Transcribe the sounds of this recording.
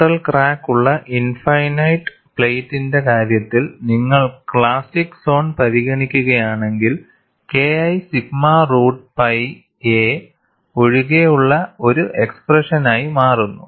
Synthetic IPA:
ʈːɐlkraːkːuɭːɐʔinfɐjnɐjʈ | pɭejtːinde̞kaːɾjɐt̪ːilniŋːɐɭkɭaːsikso̞ːnpɐɾiɣɐɳikʲːuɣɐjaːɳe̞ŋɡil | ke̞ːɐjsiɡmaruːɖpɐj | e | o̞ɻiɣe̞juɭːɐo̞ɾuʔe̞ksprɐʂɐnaːjimaːrunːṵ

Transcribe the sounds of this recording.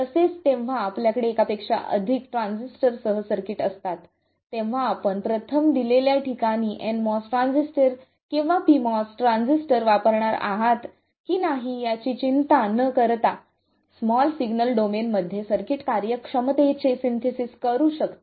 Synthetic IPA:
t̪əset͡st̪ẽʋʋ̤aːpljakəɽeːkapekʂa̰ʔə̰d̪ʱikʈɾansisʈəɾsəɦəsəɾkiʈəst̪at̪ː | ẽʋ̤aːpəɳpɾət̪ʰəmd̪ileljaʈʰikaniːʔɛ̃nmɔsʈɾãnd͡zisʈəɾ | kĩw̃ʋapimɔsʈɾãnsisʈəɾʋapəɾɳaɾa̰ɦat̪ | kiːnaɦijat͡ɕit͡ɕint̪anəkəɾt̪a | smɔlsiɡnəlɖomenməd̪ʱːjesəɾkiʈkaɾjəkʂəmt̪et͡sesint̪ʰesiskəɾuːɕəkt̪o

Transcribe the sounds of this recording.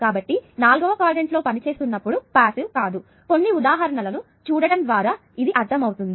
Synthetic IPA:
kaːbɐʈːinaːlɡɐʋɐkaːɾɖeɳʈlo̞ːpɐnit͡ʃe̞ːst̪unːɐpːuɽupaːsilkaːd̪u | ko̞nːiud̪aːɦɐɾɐɳɐlɐnu | t͡ʃuːɽɐɽɐnd̪ʋaːɾaː | id̪iʔɐɾt̪ʰːɐmɐwt̪und̪i

